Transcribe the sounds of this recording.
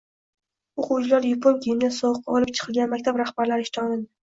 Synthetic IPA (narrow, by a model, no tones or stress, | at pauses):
oqʊwt͡ʃʰɪlaɾjopʰoŋkʲʰijɪmd̪asɒwq̚ːɒlˠɪp̚t͡ʃʰɨ̥qʰɨlˠɡʲanmak̚ʲt̪ʰapɾahbaɾlaɾɪʃt̪ʰɑnɪd̪ɪ